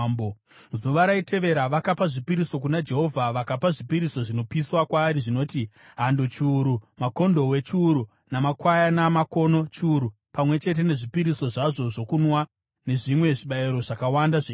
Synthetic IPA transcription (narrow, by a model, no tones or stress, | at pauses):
b | zuʋaɾaitʰe̞ʋe̞ɾaʋakapaʐipiɾiso̞k̬unad͡ʒe̞ɦo̞vʱaʋakapaʐipiɾiso̞ʐino̞piswakwaːɾiʐino̞ːti | ɦando̞t͡ʃuːɾumako̞ndo̞we̞t͡ʃuɾu | namakwajanamako̞no̞t͡ʃuːɾu | pamwe̞t͡ʃe̞t̬e̞ne̞ʐipiɾiso̞ʐaʐo̞ʐo̞kunwa | ne̞ʐimwe̞ʐiɓaiɾo̞ʐakawandaʐe